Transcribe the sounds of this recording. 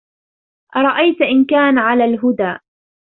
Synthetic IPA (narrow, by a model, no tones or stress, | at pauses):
ʔɑɾˤɑʔajt̪ʔɪnkaːnʕalaːlɦʊd̪aːʔ